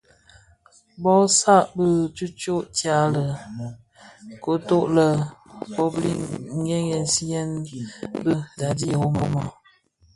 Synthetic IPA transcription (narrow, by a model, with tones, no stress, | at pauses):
bɔ˦sa˦ʔbə˦˨t͡ʃu˦t͡ʃo˦ʔtja˦lə˨ | ko˨˦to˦ʔlə˨po˦blḭ˦ŋ˦ɡe˦ŋɡɛ˨n˨si˦ɛ˦nbə˦da˨di˦˨wo˦mo˦ma̰˨